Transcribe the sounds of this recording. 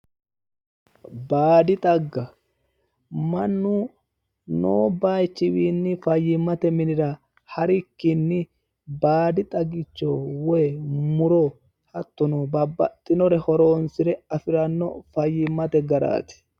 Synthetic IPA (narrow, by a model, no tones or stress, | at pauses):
baːd̪ɪt̪ʼɐɡːɐ | mɐnːʊ | noːbajt͡ʃːɪwiːnːɪfɐjːɪmːɐt̪ɛmɪnɪɾɐ | hɐɾɪkːɪnːɪ | baːd̪ɪt̪ʼɐɡɪt͡ʃːowɔjmʊɾɔ | hɐt̪ːɔnobɐbːɐt̪ʼːɪnɔɾɛhɔɾoːnsɪɾɛɐfɪɾɐnːɔfɐjːɪmːɐt̪ɛɡɐɾa̰ːt̪ɪ̥